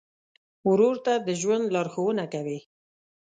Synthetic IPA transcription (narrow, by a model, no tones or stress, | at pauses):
ʊɾuɾt̪ad̪əʒwand̪lɑɾxowənakawi